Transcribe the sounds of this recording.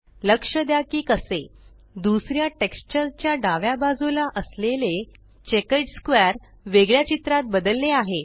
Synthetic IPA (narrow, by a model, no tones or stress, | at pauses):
ləkʂəd̪jakiːkəse | d̪usɾjaʈekst͡ɕəɾt͡ɕjaɖaʋjabad͡zulaʔəslele | t͡ɕekəɖskʋeɾ | ʋeɡɭjat͡ɕit̪ɾat̪̚bəd̪əlːeaɦe